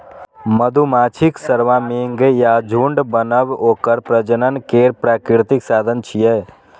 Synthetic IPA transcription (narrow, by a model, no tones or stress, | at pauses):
məd̪ʱumaːt͡ʃʰiksəɾʋãːmeːŋɡjaːd͡ʒʱuɳɖbənəʋoːkəɾpɾəd͡ʒənənkeːɾpɾaːkɾɪɾt̪iksaːd̪ʱənt͡ʃʰijɛ